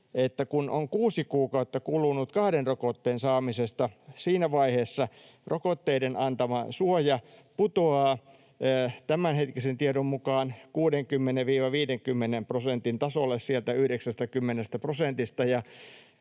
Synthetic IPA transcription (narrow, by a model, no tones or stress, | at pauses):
et̪ːækunoŋkuːsikuːkɑut̪ːɑkulunut̪kɑhdenrokot̪ːeːnsɑːmisest̪ɑsiːnæʋɑiheːsːɑ | rokot̪ːeidenɑnt̪ɑmɑsuojɑput̪oɑː | t̪æmænhet̪kisent̪iedommukɑːnkuːdeŋkymːeneʋʋiːʋɑʋiːdeŋkymːenemprosent̪int̪ɑsolːessielt̪æyhdeksæst̪ækymːenest̪æprosent̪ist̪ɑjɑ